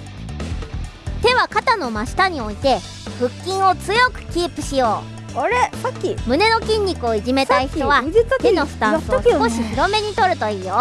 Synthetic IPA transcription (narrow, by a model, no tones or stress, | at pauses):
t̪e̞βakat̪ano̞maɕi̥t̪aɲ̟io̞it̪e̞ | ɸɯ̟kʲːĩɰ̃o̞t͡sɨjo̞kɯ̟̥kʲiːpɯ̟ɕijo̞ː | aɾeakʲːimɯ̟ne̞no̞kʲĩɲ̟ʲːikɯ̟o̞iʑime̞t̪aiçi̥t̪oβazikat̪enosɨ̥t̪ãsɨsɨko̞ɕiçiɾo̞me̞ɲ̟it̪o̞ɾɯ̟t̪o̞iːjo